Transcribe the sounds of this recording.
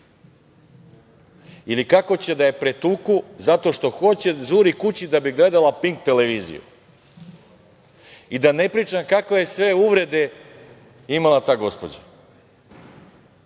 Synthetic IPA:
ilikako̞t͡ɕe̞d̪aje̞pɾe̞t̪uːkuzat̪o̞ʃt̪o̞xo̞t͡ɕe̞ʒuɾikut͡ɕid̪abiɡle̞d̪alapiŋkt̪e̞leʋiːzḭjṵ | id̪ane̞pɾiːt͡ʃamkakʋeje̞sʋe̞uʋɾe̞d̪e̞ | imalat̪aːɡo̞spo̞̰d͡ʑa̰

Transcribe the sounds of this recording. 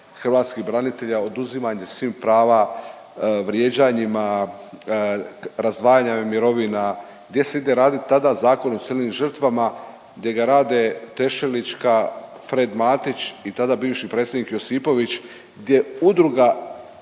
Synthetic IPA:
xr̩ʋaːt̪skibɾanit̪e̞ʎao̞d̪uzimaɲesʋiːmpɾaːʋa | ʋɾje̞d͡ʑaɲima | ɾazd̪ʋaːjaːɲamiɾo̞ʋina | ɡ̚d̪je̞se̞id̪e̞ɾaːd̪it̪ad̪azaːko̞not̪selnimʒər̩t̪ʋama | ɡd̪ʲje̞ɡaɾaːd̪e̞t̪e̞ʃelit͡ʃka | fɾe̞d̪maːt̪it͡ɕit̪ad̪abiːʋʃipɾet̪sʲjed̪ikjo̞siːpo̞ʋit͡ɕ | ɡd̪ʲje̞ud̪ɾuɡa

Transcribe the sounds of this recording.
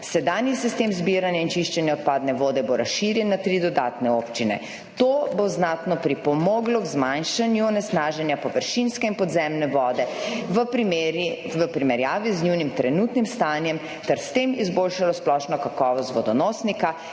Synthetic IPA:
sɛd̪aːnjisist̪emzbiːɾanjaint͡ʃiʃt͡ʃɛnjaɔt̪̚paːd̪nɛʋoːd̪ɛboɾʔasʃiːɾjɛnːat̪ɾid̪ɔd̪aːt̪nɛoːpt͡ʃinɛ̰ | t̪oboznaːt̪nɔpɾipɔmɔːɡlɔɡzmanʃanjuɔnɛsnaːʒɛnjapɔʋəɾʃinskɛinpɔd̪zɛmnɛʋɔːd̪ɛ | ʋəpɾimɛɾjaːʋizniwnimt̪ɾɛnuːt̪nimst̪aːnjɛm | t̪ɛɾst̪emizboːlʃalɔsplɔʃnɔkakɔːʋɔst̪ʋɔd̪ɔnɔːsnika

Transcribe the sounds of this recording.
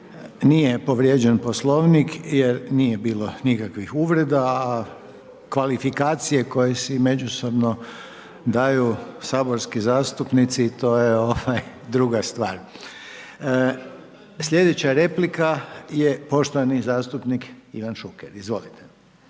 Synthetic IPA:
nije̞po̞ʋɾjed͡ʒenpo̞slo̞ʋnikjeɾnije̞biːlo̞nikakʋixuʋɾe̞d̪aː | kʋalifikaːt̪sije̞ko̞jesime̞d͡ʒusobno | d̪ajusaːboɾskizaːst̪upnit̪sit̪o̞ːjeo̞ʋaj | d̪ɾuɡast̪ʋaːɾ | slʲe̞d̪et͡ɕaɾe̞plikaje̞po̞ʃt̪oʋanizaːst̪upnikiʋanʃukeɾizʋo̞lit̪e

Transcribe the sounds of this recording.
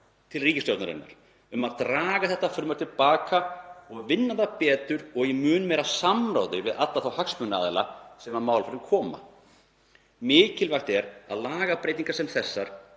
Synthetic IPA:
t̪ʰɪlriːcɪst̪owt̪naɾɪ̰nːa̰ɾ̥ | ʏmaðt̪ɾaːɣaθɛht̪afʏɾmaɾ̥t̪ʰɪlpaːkaɔɣvɪnːaðapɛːt̪ʏɾɔɣjɛmʏːnmɛːɾasamɾa̰wðʏvɪðat̪laθawhaksmʏnːaːðɪla̰sɛmamaːwlfɾɪnkʰɔːma̰ | mɪːcɪlvajxt̪ɛɾa̰ðlaːɣapɾejt̪iŋkasɛmθɛsːaɾ̥

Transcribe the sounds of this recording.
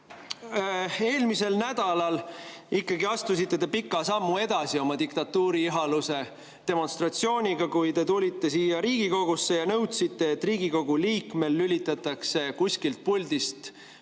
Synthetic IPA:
e̞ːlmise̞lnæd̪̥ɑlɑlikːɑɡiɑst̪usit̪ːe̞t̪epikːˑɑsɑmːue̞d̪̥ɑsio̞mɑd̪ikt̪ɑt̪ːuːɾiiɦɑluse̞ | t̪e̞mo̞nst̪rɑt̪sio̞ːnʲiɡ̥ɑkujt̪e̞t̪ulʲit̪ːe̞siːjɑɾiːɡ̥iko̞ɡ̥usːe̞jɑnɤwt̪sit̪ːe̞ːt̪ːˑriːɡiko̞ɡ̥uliːkme̞lːylʲit̪ːˑɑt̪ːˑɑkse̞kusʲkilt̪̚pulʲd̪̥ist̪

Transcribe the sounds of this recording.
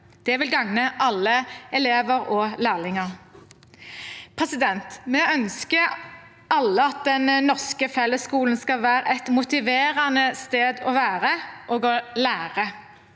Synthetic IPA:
d̪̥ɛʋɪlɡɑŋnəʔɑlːəɛleːʋəʁɔːlæːʁlɪŋɑʁ | pʰʁɛsɪd̪ɛnt̪mɛœnskə | ɑlːəɑt̪̚d̪ɛnnɔʁskəfɛlːəskuːlnskɑlʋæːʁəʔɛt̪mʊt̪ɪʋeːʁɑnəst̪eːd̪ɔʋæːʁəʔoːɡɔlæːʁə

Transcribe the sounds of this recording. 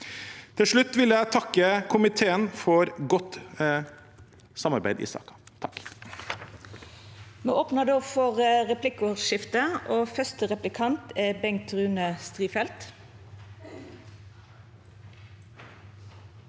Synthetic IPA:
t̪ʰɪlʂɭʉt̪ːʋɪljæɪt̪ʰɑkːəkʰʊmɪt̪ʰeːənfɔɾɡɔt̪ | sɑmɑɾbæɪd̪ɪ̰sɑ̰ːkɑ̥t̪ʰɑk | meːʔoːpnəd̪oːfɔʁʁɛpʰlɪkʊʃɪft̪əʔoːfœst̪əʁɛplɪkʰɑnt̪æbɛŋt̪ʰʁʉːnəst̪ʁiːfɛlt̪

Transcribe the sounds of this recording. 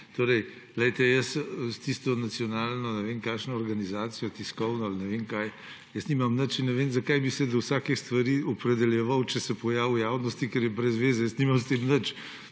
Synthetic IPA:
t̪oɾɛj | lɛjt̪ɛjəsst̪ist̪ɔnat̪sijɔnaːlnɔnɛʋenkaːʃnɔːɾɡanizaːt̪sijɔt̪iskɔwnɔalnɛʋenkaj | jəsniːmɐmnət͡ʃinnɛʋenzɐkajbisɛd̪ɔwsaːkist̪ʋaɾiːɔpɾɛd̪ɛljɛʋawt͡ʃɛsɛpɔjaːwjaːwnɔst̪ikɛɾjɛbɾɛzʋeːzɛjəsniːmamst̪emnət͡ʃ

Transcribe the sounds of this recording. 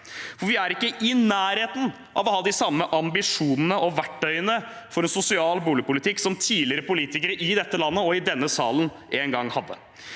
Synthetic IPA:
fɔɾʋɪæɾɪkːəʔɪnæːɾheːt̪n̩ | ʔɑ̰ʋɔhɑːd̪ɪsɑmːəʔɑmbɪʂuːnənəʔɔʋæʈːœʏənə | fɔɾɛnsʊsɪɑːlbuːlɪəpʊlɪt̪ɪkːsɔmt̪ʰiːlɪəɾəpʊliːt̪ɪkəɾəʔɪd̪ɛt̪ːəlɑnːəɔɪd̪ɛnːəsɑːlən | ʔeːnɡɑŋːhɑd̪ːə

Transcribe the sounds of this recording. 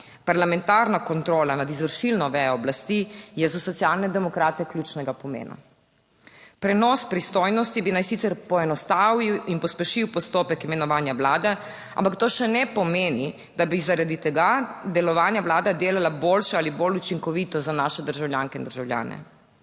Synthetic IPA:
paɾlamɛnt̪aːɾnakɔnt̪ɾoːlanad̪izʋəɾʃilnɔʋɛjɔɔblast̪ijɛzasɔt̪sjalnɛd̪ɛmɔkɾaːt̪ɛklʲjuːt͡ʃnɛɡapɔmḛːna̰ | pɾɛnɔspɾist̪ojnɔst̪ibinajsit̪sɛɾpɔɛnɔst̪awiwinpɔspɛʃiwpɔst̪oːpɛkimɛnɔʋaːnjaʋlaːd̪ɛ | a̰mpakt̪oːʃɛnɛpɔmeːni | d̪abizaɾad̪it̪ɛɡad̪ɛlɔʋaːnjaʋlaːd̪ad̪eːlalaboːlʃaalibolut͡ʃiŋkɔʋiːt̪ɔzanaːʃɛd̪əɾʒawljaːŋkɛind̪əɾʒawlja̰ːnɛ̰

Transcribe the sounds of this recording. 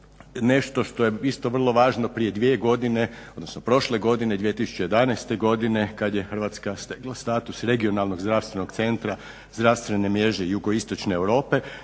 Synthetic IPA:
ne̞ʃt̪o̞ʃt̪o̞jeist̪o̞ʋr̩lˠo̞ʋaːʒno̞pɾije̞d̪ʋie̞ɡo̞d̪ineod̪nosnopɾo̞ʃleɡo̞d̪ine̞d̪ʋijet̪isu̥t͡ɕeje̞d̪anajst̪e̞ɡo̞d̪ine̞kad̪je̞xər̩ʋaːt̪skast̪eɡlˠast̪aːt̪usɾe̞ɡio̞nalˠno̞ɡzd̪ɾafst̪ʋeno̞ɡt̪se̞nt̪ɾa | zd̪ɾaʋst̪ʋe̞nemje̞ʒejuɡoist̪o̞t͡ʃneːwɾo̞ːpe̞

